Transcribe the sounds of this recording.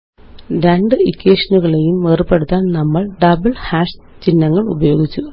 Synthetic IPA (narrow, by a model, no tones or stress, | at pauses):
ɾeɳɖɨikːeːʂɐnuɣɐɭe̞jumʋeːrpːe̞ɽut̪ːaːnnɐmːɐɭɖɐbɐɭhaːʂ | t͡ɕinːɐŋːɐɭubɐjo̞ːɡit͡ɕːu